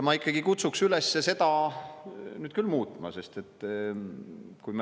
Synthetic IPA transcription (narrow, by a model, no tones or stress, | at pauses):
mɑikːˑɑɡ̥ikut̪suksylesːese̞d̪ɑ | nyːd̪̥̚kylmuːt̪ˑmɑ̰se̞st̪e̞t̪ː | kum